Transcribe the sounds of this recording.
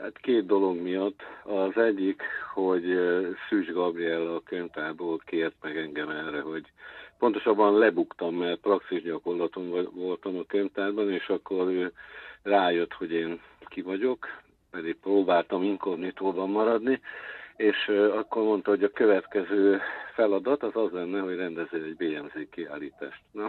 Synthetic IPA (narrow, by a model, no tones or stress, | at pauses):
ha̰t̪keːt̪̚d̪o̞lo̞ɡmijɒt̪ːɒzɛɟːikho̞ɟsyːʒɡɒbriɛlːkømt̪aːrboːlkeːrt̪mɛɡɛŋɡɛmɛrɛɦo̞ɟpo̞nt̪o̞ʃɒbːɒnlɛbukt̪ɒmːɛrprɒksiʒɟɒko̞rlɒt̪o̞mvo̞lt̪ɒmɒkøɲt̪aːrbɒneːʃɒkːo̞ɾøːraːjøt̪ho̞ɟeːnkivɒɟo̞k | pɛd̪ik̚proːbaːlt̪ɒmiŋkovnit̪oːrbɒmːɒɾɒd̪nieːʃɒkːo̞rmo̞nt̪ɒɦoɟɒkøvɛt̪kɛzøːfɛlɒd̪ɒt̪ɒzɒzlɛnːɛɦo̞ɟrɛnd̪ɛzːøɛɟbeːɛmzeːkːiaːliːt̪a̰ːʃt̪nɒ